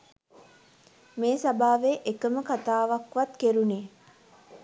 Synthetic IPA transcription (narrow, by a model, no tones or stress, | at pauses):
meːsabaːʋeʔekəməkat̪aːʋakʋat̪keɾuneː